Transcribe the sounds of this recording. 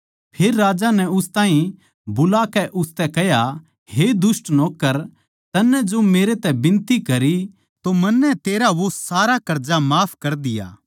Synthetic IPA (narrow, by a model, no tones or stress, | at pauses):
pʰeːɾːaːd͡ʒanɛʊst̪aːɦĩ | bʊlakɛʔʊst̪ɛkɛɦja | ɦed̪ʊsʈnoːkːəɾ | t̪ɐnːɛd͡ʒomeːɾet̪ɛbɪ̃nt̪ikɐɾi | t̪omɐnːɛt̪eːɾaʋosaːɾakɐɾd͡ʒamaːpʰkɐɾd̪ɪja̰ː